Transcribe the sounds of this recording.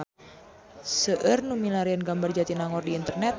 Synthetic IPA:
səʔərnumilaɾiənɡambard͡ʒat̪inaŋɔrdiːnt̪ərnɛt̪̚

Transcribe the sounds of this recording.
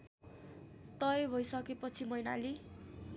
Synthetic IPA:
t̪ʌjbʱʌjsʌkepʌt͡sʰimʌjna̰li

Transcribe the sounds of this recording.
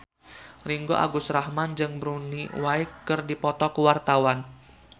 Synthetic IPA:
riŋɡo̰ʔa̰ɡʊsrahmand͡ʒɨŋbɾunḭwaɪkːɨrdipɔt̪ɔkəwart̪awan

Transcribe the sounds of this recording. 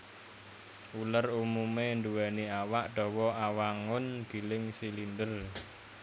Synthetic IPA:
ʔulərumumend̪uwɛniawaʔɖ̥ɔ̤wɔʔawaŋʊnɡ̥i̤lɪŋsilind̪ər

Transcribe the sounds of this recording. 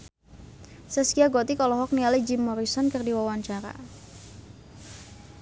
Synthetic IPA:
sɛskiaɡɔt̪ikɔlɔɦɔk̚nialid͡ʒimːɔɾisɔnkərdiwawaɲt͡ʃaɾa̰

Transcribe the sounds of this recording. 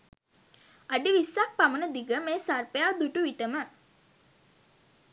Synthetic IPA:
aɖiʋisːak̚pamənəd̪iɡəmeːsarpejaːd̪uʈuʋiʈəmə

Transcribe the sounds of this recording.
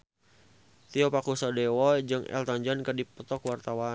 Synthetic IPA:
t̪iɔpakusadewɔd͡ʒɨŋɛ̰lt̪ɔɲd͡ʒɔnkɨrdipɔt̪ɔkwart̪awa

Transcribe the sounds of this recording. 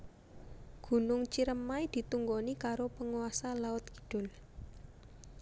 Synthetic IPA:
ɡ̥ṳnʊŋt͡ʃiɾəmːaid̪̥i̤t̪uŋɡonikaɾopəŋuwasalaʊt̪̚ɡ̥i̥d̥ʊ̤l

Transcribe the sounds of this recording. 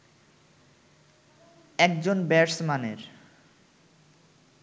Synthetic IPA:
ɛkd͡ʑonbɛɾsmaneɾ

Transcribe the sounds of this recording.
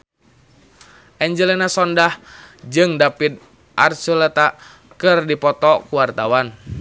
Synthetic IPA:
ʔɛɲd͡ʒəlɛnasɔndahd͡ʒɨŋdapid̪̚ | ʔarsulɛt̪a | kɨrdipɔt̪ɔkuwart̪awan

